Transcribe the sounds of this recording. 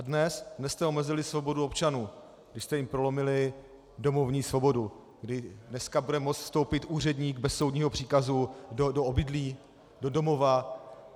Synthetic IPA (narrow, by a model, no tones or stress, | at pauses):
ʔadnɛsdnɛst̪ɛo̞mɛzɪlɪsvo̞bo̞duo̞pt͡ʃanuː | ɡdɪʃst̪ɛjɪmpɾo̞lo̞mɪlɪ | do̞mo̞vɲiːsvo̞bo̞du | ɡdɪdnɛskabudɛmot͡s̪fst̪owpɪt̪ʔuːr̝ɛdɲiːɡ̚bɛsːo̞wdɲiːɦo̞pr̝̥iːkazudoobɪdliː | do̞do̞mo̞va